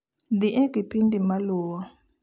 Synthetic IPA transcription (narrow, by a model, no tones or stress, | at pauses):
d̪iʔɛɡipʰindʼimaluːwa